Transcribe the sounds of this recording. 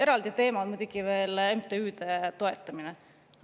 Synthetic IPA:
e̞ɾɑld̪̥it̪e̞ːmɑd̪mud̪ukive̞ːlemt̪eyːd̪̥et̪o̞et̪ˑːɑmine

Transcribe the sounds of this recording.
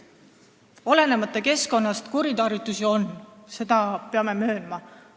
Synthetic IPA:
o̞le̞ne̞mɑt̪ːˑeke̞sko̞nːɑst̪kuɾid̪ɑːɾit̪ːˑusio̞nse̞d̪̥ɑpeɑme̞mø̞ːlmɑ

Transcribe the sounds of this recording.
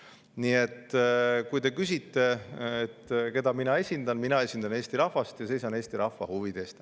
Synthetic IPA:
nie̞t̪ːkujd̪e̞kys̬ʲit̪ːe̞et̪ːke̞d̪̥ɑminɑe̞sʲind̪̥ɑnminɑe̞sʲind̪̥ɑne̞ːsʲt̪iɾɑhvɑst̪jɑse̞jsɑneːst̪iɾɑhvɑhuvid̪̥e̞st̪

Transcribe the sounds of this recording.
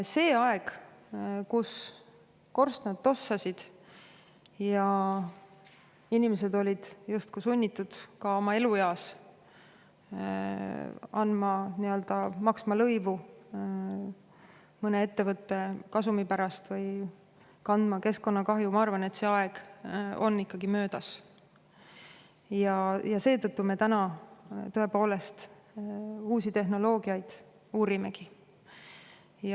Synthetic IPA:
se̞ːɑe̞ɡ̥ | kus | ko̞rst̪nɑd̪̥t̪o̞sːɑsid̪̥ | jɑ | inimes̬e̞d̪o̞lʲid̪̥just̪̚kusunʲːit̪ːˑud̪̥kɑo̞mɑe̞lujɑːs | ɑnmɑniø̞ld̪̥ɑmɑksmɑlɤjvu | mɤne̞e̞t̪ːe̞vɤt̪ːe̞kɑsumipæɾɑst̪vɤj | kɑnd̪̥mɑke̞sko̞nːɑkɑɦjumɑɑrvɑne̞t̪se̞ːɑeɡ̥o̞̰nːikːɑɡimø̞ːd̪̥ɑs | jɑjɑse̞ːt̪ɤt̪ːume̞t̪ænɑt̪ɤe̞po̞ːle̞st̪ | uːsit̪e̞ɦno̞lo̞ːɡ̥iɑjd̪̥ | uːɾime̞ɡ̥i | jɑ

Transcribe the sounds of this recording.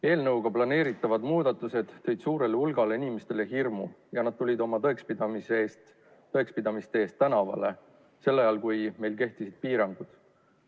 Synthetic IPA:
e̞ːlnɤwɡ̥ɑplɑne̞ːɾit̪ːˑɑvɑd̪̥muːd̪̥ɑt̪ːˑuse̞d̪̥t̪ːɤ̞jd̪̥suːɾe̞leulɡ̥ɑle̞inʲime̞st̪e̞le̞ɦirmṵ | jɑnɑd̪̥̚t̪ulʲid̪o̞mɑt̪oekspid̪ɑmisest̪ | t̪oekspid̪ɑmist̪eeːst̪ːænɑvɑ̰le̞ | se̞lːɑjɑlkujme̞jlk̬e̞ht̪isid̪̥̚piːɾɑŋɡ̥ud̪̥

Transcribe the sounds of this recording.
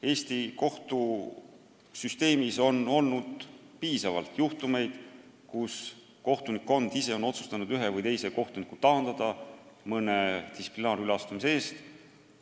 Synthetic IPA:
e̞ːst̪iko̞ht̪u | syst̪e̞ːmiso̞no̞lnud̪̥ | piːsɑvɑ̰lt̪juht̪ume̞jd̪̥ | kus | ko̞ht̪unikːˑo̞nd̪̥ise̞o̞no̞t̪su̥st̪ɑnud̪yɦe̞vɤjt̪e̞jse̞ko̞ht̪unikːˑut̪ɑːnd̪̥ɑd̪̥ɑ | mɤne̞d̪isi̥plinɑːɾylɑst̪umis̬ee̞ːst̪

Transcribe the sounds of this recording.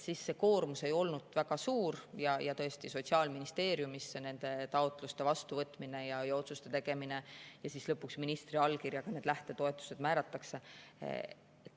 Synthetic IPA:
sisːe̞ko̞ːrmuse̞jo̞lnud̪̥væɡɑsuːrjɑjɑt̪ɤ̞est̪iso̞t̪ʲsiɑːlminist̪e̞ːɾjumisːene̞nd̪̥e̞t̪ɑot̪ːˑlust̪e̞vɑst̪uvɤt̪ːˑmine̞jɑjɑo̞t̪sust̪e̞t̪e̞ɡ̥e̞mine̞jɑsislɤpːuksminist̪riɑlkirjɑkɑne̞d̪læht̪e̞t̪o̞e̞t̪ˑːu̥se̞d̪mæːɾɑt̪ːˑɑkse̞ | et̪ː

